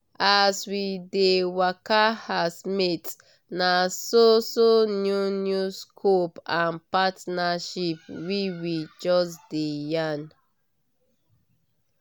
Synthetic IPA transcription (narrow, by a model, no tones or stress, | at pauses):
aswidewakahasmit | nasosonjunjuskʰopãnpatnaʃip̚wiwid͡ʒɔsdejan